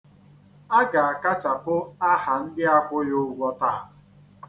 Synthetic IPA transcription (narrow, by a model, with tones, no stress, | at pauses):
a˦ɡa˨a˨ka˦t͡ʃa˨pʊ˦a˦ha˨n̩˦dɪ˦a˦kʷʊ˦jo˦˨˦ɡʷɔ˦ta˦a˨